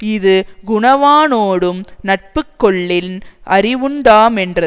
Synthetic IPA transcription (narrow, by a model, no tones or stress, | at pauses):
ɪðɯɡʊɳɐʋaːnoːɽɯmnɐʈ̚pɯkːɔɭːɪlʔɐrɪʋɯɳɖaːmɛndrɐ